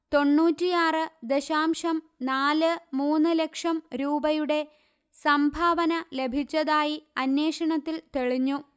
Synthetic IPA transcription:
t̪o̞nːuːtːijaːrɨd̪e̞ɕaːmʂɐm | naːlɨmuːnːɨle̞kʂɐmɾuːbɐjuɽe̞ | sɐmbʱaːʋɐnɐle̞bʱit͡ɕːɐðaːjiɐnje̞ːʂɐɳɐt̪ːilt̪eɭiɲːu

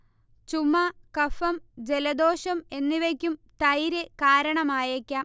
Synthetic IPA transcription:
t͡ɕumːɐkɐfɐmd͡ʑe̞lɐd̪oːɕɐme̞nːiʋekʲːumt̪ɐjɾekaːɾɐɳɐmaːjekʲːaː

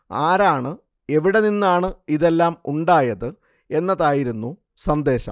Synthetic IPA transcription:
aːɾaːɳɨ | e̞ʋiɽe̞ninːaːɳɨiðe̞lːaːmuɳɖaːjɐðɨ | e̞nːɐðaːjiɾunːu | sɐnd̪e̞ːɕɐ̰m

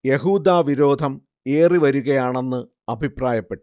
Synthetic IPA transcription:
je̞ɦuːd̪aːʋiɾo̞ːd̪ʱɐm | e̞ːriʋɐɾuɣɐjaːɳe̞nːɨ | ɐbʱipraːjɐpːe̞ʈːu

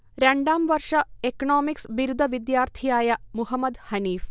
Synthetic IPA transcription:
ɾɐɳɖaːmʋɐɾʂɐekɐnoːmiksʋiɾud̪ʱɐʋid̪jaːɾt̪ʰijaːjɐmuɦɐmːɐd̪hɐniːf

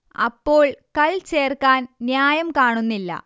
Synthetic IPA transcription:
ɐ̰pːo̞ːɭkɐɭt͡ɕe̞ːrkaːnnjaːjɐmkaːɳunːilːɐ̰

